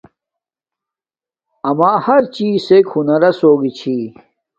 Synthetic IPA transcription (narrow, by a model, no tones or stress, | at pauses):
ɐmaːhɐɾt͡ɕiːsekhunɐɾɐsoːɡit͡ɕʰi